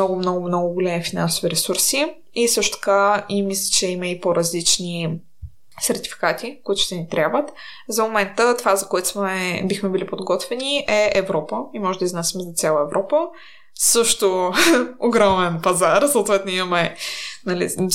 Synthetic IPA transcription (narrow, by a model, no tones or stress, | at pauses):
ɔɡʊmnɔɡʊmnɔɡʊɡolɛmifina̰nsʊviɾɛsuɾsi | isɤʃt̪ʊ̥t̪ɐ̥kaimislʲə̥t͡ʃɛiməipoɾəzlit͡ʃni | sɛɾt̪i̥fi̥kat̪ikoit̪ʊʃt̪ɛnit̪ɾʲjabvət̪zɐmomɛnt̪ət̪ovazɐkoɛt̪ʊ̥smɛbixmɛbilipod̪ɡɔt̪vɛniʔɛɛvɾɔpəimɔʒɛd̪əiznasimɛzɐt̪sʲalˠəɛvɾʔɔpə | sɤʃt̪o | oɡɾɔmɛnpɐzaɾsot̪vɛt̪noimɐmɛnɐlḭ